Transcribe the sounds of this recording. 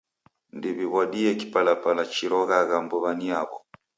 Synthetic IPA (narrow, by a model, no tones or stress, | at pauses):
ndiβiβwaɗiɛkipalapalat͡ʃiɾɔɣaɣambɔβaniaβɔ